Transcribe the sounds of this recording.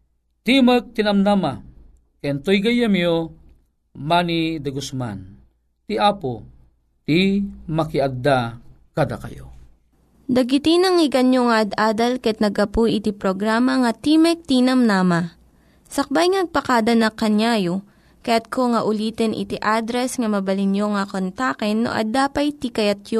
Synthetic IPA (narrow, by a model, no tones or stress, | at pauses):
t̪imək̚t̪inɐmnama | kɛnt̪ojɡɐjɐmjo | manid̪ɐɡʊsma̰n | t̪iʔaːpo | t̪imɐkiɐɡ̚d̪a | kad̪akɐ̰jo̰ | d̪ɐɡɪt̪inɐŋɪɡɐnjoŋɐʔɐd̪ʔaːd̪ɐlkɐɐt̪nɐɡɐpujɪt̪ipɾoɡɾaːmɐŋɐt̪imɛk̚t̪iːnɐmnaːma | sɐk̚bajŋɐnɐɡ̚pɐkad̪ɐnɐkːɐnjajo | kɐjat̪̚kʰoŋɐʔʊliːt̪ɛnʔɪ̰t̪iʔad̪ɾɛsŋɐmɐbɐlɪnjoŋɐkont̪akɛnːo̰ʔɐ̰d̪aːpɐjt̪ikɐjat̪̚jo